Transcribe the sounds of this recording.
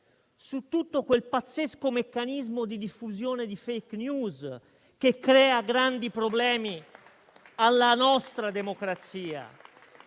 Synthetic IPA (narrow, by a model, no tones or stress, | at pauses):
sut̪ːut̪ːokwelpat̪sːeskomekːanizmod̪id̪ifːuzjɔːned̪ifejknjuːz | k̟ekːɾɛːaɡɾand̪ipɾoblɛːmi | alːanɔst̪ɾad̪emokɾat̪siːa̰